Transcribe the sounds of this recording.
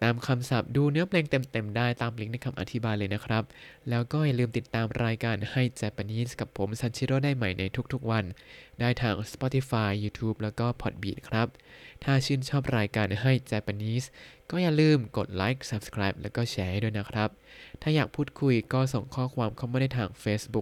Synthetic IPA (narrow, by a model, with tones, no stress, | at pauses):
t̪aː˨˧mkʰa˧msa˨˩p̚duː˧nɯ˧˦˥ɐpʰleː˧ŋt̪e˧mt̪e˨˧mdaː˥˩jt̪aː˨˧mpli˧˦˥k̚na˧jkʰmʔa̰˧t̪ʰi˦˥baː˧jlɤː˧jna˦˥kʰɾa˦˥p̚lɛː˦˥wkɔː˥˩ja˨˩lɯː˧mt̪i˨˩t̪ːaː˧mɾaː˧jkaː˧nha˥˩jt͡ɕɛː˧˥pa˧niː˦˥˩ska˨˩pʰːo˩˦msa˧˦˥nt͡ɕʰi˦˥ɾoː˥˩daː˥˩jma˨˩jnʔa˧jt̪ʰu˦˥k̚t̪ʰu˦˥k̚wa˧ndaː˥˩jt̪ʰaː˧ŋspɔː˦˥t̪ʰi˧˥faː˧jːuː˧t̪ʰuː˦˥p̚lɛː˦˥wkɔː˥˩pʰɔ˨˩t̪̚biː˨˩t̪̚kʰɾa˦˥p̚t̪ʰaː˥˩t͡ɕʰɯː˥˩nt͡ɕʰɔː˥˩p̚ɾaː˧jkaː˧nɦa˥˩jt͡ɕɛː˧˩pa˧niː˦˥˩skɔː˥˩ja˨˩lɯː˥˩mko˨˩t̪̚laː˦˥jk̚sa˨˧p̚skʰɾaː˦˥jp̚lɛː˦˥wkɔː˥˩t͡ɕʰɛː˧˥du˥˩əjna˦˥kʰɾa˦˥p̚t̪ʰaː˥˩jaː˨˩k̚pʰuː˥˩t̪̚kʰu˧jkɔː˥˩so˨˩ŋkʰɔː˥˩kʰwaː˧mkʰa˥˩maː˧˥˩daː˥˩jt̪ʰaː˧ŋfeː˦˥sbu˦˥k̚